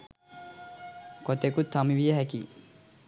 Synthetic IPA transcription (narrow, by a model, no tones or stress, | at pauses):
kot̪ekut̪ʰːamiʋijəɦækḭ